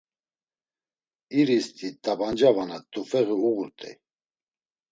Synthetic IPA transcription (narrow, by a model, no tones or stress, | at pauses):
iɾist̪ʰʼit̪ʼaband͡ʒavanat̪ʼufɛɣiuɣuɾt̪ʼɛ̰